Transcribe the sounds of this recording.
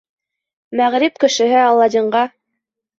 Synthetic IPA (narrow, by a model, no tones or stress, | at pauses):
mæʁɾipkɘ̆ʃɘ̆ɦɘɑlˠːɑd̪ʲiɴɢɑ